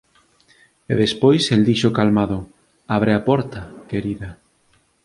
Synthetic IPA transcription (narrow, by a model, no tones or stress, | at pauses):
ḛðespojseld̪iʃokalmaðʊ | aβɾeapɔɾt̪ɐkeɾiðɐ